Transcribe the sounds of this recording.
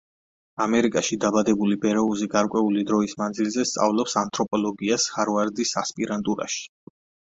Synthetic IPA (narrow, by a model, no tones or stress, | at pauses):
amɛɾikʼaʃid̪abad̪ɛbulibɛɾɛuziɡaɾkʼwɛulid̪ɾɔismand̪zilˠzɛst̪sʼa̰vlˠɔpsant̪ʼɾɔpʼɔlˠɔɡiashaɾvaɾd̪isaspʼiɾant̪ʼuɾa̰ʃi̥